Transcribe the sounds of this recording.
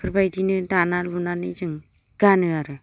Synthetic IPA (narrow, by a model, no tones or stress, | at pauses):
pʰɾbajdinɯdanalunanɯzɯŋ | ɡ̥anɯaɾɯ